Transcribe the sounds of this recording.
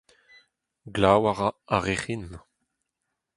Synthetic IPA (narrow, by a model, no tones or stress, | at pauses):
ɡlawaʁaaʁeχin